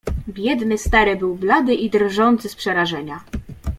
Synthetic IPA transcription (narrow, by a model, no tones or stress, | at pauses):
bʲjɛd̪nɘst̪aɾɘbɘwblad̪ɘʔid̪rʐɔnt̪sɘspʂɛɾaʐɛɲa